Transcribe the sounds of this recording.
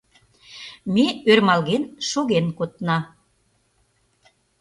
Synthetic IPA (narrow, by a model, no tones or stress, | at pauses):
meørmɑlɣenʃoɣenkot̪nɑ